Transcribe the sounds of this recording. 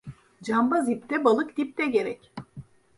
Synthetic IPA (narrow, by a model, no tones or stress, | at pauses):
d͡ʒambazip̚t̪ʰɛbalˠɯkd̪ip̚t̪ɛɟe̞ɾɛc